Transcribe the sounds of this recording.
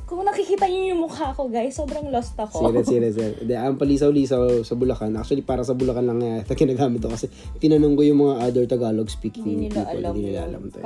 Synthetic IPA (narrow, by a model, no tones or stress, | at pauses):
kʊŋnɐkikiːt̪ɐɲʊjʊŋmʊkaɐko̞ɡajsːoːbɾɐŋlost̪ɐkosiɾɛsiːɾɛsɛɾd̪ɛʔampɐliːs̬ɐwliːsɐsɐbʊlɐkanʔak̚t͡ʃʊɐlipaːɾɐsɐbʊlɐkanlɐŋːɐjat̪ɐɡɪnaːɡaːmɪt̪̚ːokɐsɛ | pɪnɐnʊŋɡojʊŋmɐŋaʔajd̪olt̪ɐɡaːloɡspiːkʰɪŋt̪iːo̰lʔɐ̰d̪ɡɪnɪla̰ːlɐ̰mt̪ɐ̰